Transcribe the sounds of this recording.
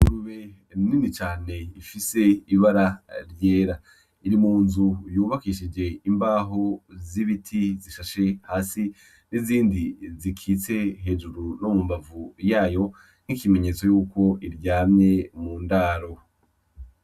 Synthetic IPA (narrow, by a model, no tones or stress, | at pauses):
uɾuβe | ninit͡ʃaːne̞ifise̞iβaɾaɾjeːɾa | iɾimuːnzujuːβakiʃid͡ʒe̞imbaːɦo̞ziβitʰiziʃaʃe̞haːsi | niziːndizikʰit͡se̞ɦe̞ːʒuɾunomumbavujaːjo̞ | n̥ikime̞ɲe̞ːt͡so̞juːko̞ʔiɾjaːmɲe̞muːndaːɾo̞